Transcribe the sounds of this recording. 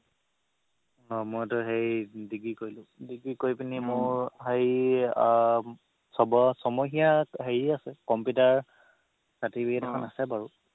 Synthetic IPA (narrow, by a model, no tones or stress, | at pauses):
ɔmojtʊɦejdiɡikojlʊ̃diɡikojpinimʊɹɦej | sɔbɔsɔmɔɦijaɦeɹiasɛkɔmpjutaɹ | satibiɛtɛkʰɔnasɛbaɹu